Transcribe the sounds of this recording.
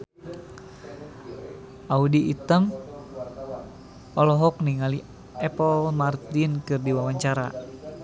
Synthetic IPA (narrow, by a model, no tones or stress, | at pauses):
ʔaudiʔit̪əm | ɔlɔɦɔk̚niŋali | ɛpəlmart̪inkɨrdiwawaɲt͡ʃaɾa̰